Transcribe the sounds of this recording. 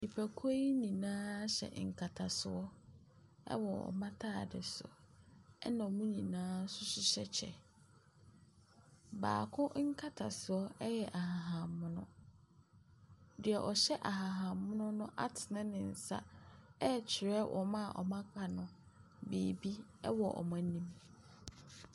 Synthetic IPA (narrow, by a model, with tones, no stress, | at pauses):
i˨pʰæ˨kʰo˦i˦nĩ˨nãː˦ɕɛ̰˨ŋ̩˨kʰa˨tʰa˨sɪ˨ɔ˦ | ɛ̰˦wɔ˨ɔ̰˨mã˦tʰa˦˨dɪ˨sʊ̰˨ | ɛ˦nã˨mũ˦ɲĩ˨nãː˦sʊ˦ɕɪ˦ɕɛ˦t͡ɕʰɛ̰˨ | ba̰ː˨kʰʊ̃˦ŋ̩˦kʰa˦tʰa˨sɪ˨ɔ˦ɛ˦jɛ˨ʔa˨ɦa˨ɦã˨mːʊ̃˦nʊ̰̃˦ | dɪ˨ɛ˨ʔɔ˨ɕɛ˦ʔa˨ɦa˨ɦã˨mːʊ̃˦nʊ̃˦nʊ̃˦ʔa˦tʰɪ˨nã˦nɪ̃˨n̩˨sa̰˦ɛ˦t͡ɕʰɪ˨ɾɛ˦wʔɔ̰˨mã˦˨ʔɔ̰˨mã˦kʰa˨nʊ̃˨ | bḛː˨bi˦ɛ̰˦wɔ˨ʔɔ̰˨mã˦nĩ˦m